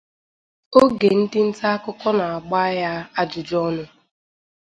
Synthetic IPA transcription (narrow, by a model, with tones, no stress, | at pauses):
o˦ɡe˨n̩˦dɪ˦n̩˦ta˦a˦kʊ˦kɔ˦na˨a˨ɡ͡ba˦ja˦a˦d͡ʒʊ˨d͡ʒɔ˦nʊ˦